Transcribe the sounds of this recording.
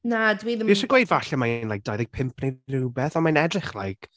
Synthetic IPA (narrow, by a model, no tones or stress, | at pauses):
nadwiːðəiʃɔɡwejdvaɬamajnlajk̚d̥ajðɪjk̚pʰɪmpʰnejrɪwbɛθɔnmanɛdrɪχlˠa̰jk